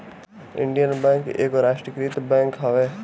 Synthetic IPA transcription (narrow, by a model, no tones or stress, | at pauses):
ɪ̰̃ɳɖijənbɛ̃ːŋkʔeːkoɾaːʃʈɾəkɾiːt̪bɛ̃ːŋkɦɐʋe